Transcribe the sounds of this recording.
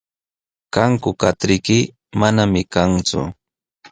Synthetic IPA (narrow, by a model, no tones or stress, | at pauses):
kaŋkʊkat̪ɾɪkɪ | manamɪkaŋt͡sʊ̰